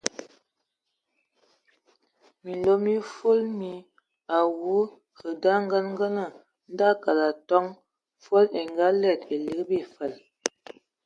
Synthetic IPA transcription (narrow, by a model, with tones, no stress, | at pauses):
mi˨lo˦mi˦fo˦lmi˨ | a˨wu˨˦ | hə˨da˦ŋ˦ɡə˦nŋ˦ɡə˦nə˨ | n̩˦da˦ka˨la˨tɔ˦ŋ | fo˦le˨ŋɡa˦lɛ˦˨te˨li˨˦ɡbi˦˨fə˨l